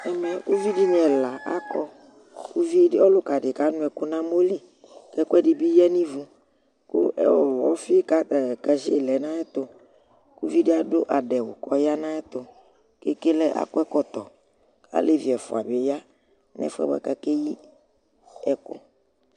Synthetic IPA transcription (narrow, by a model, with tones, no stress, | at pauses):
ɛ˦mɛ˨ku˦vi˦di˦n˨˦ɛ˨la˨ʔa̰˦kɔ˦ | ku˦vi˦ɔ˦lʊ˦ka˨dɪ˨ka˦nʊ̃˦ɛ˨ku˦nã˦mo˦li˦ | kɛ˦ku˦ɛ˦di˨bi˦jɛ˦nĩ˦vu˦ | kʊ̰˦ʔɛ̰˦˨wɔ˦fi˦ka˦˨kɛ˨zi˦e˨lɛ˨˦nã˦ɛ˦t̪ʊ˨ | ku˦vi˦di˦a˦dʊ˦ʔa˨dɛ˨wʊ̰˨kɔ˦ja˦nã˦ɛ˦t̪ʊ˨ | ke˦ke˦lɛ˦ʔa̰˨kɔ˦ɛ˦kɔ˦t̪ɔ˨ | ka̰˦le˦vi˨ɛ˨fʊ̰˨a˨be˨ja˦ | nɛ̰˦fɛ̰˦ba̰˨ka˨ke˦ji˦ | ɛ˨kʊ̰˦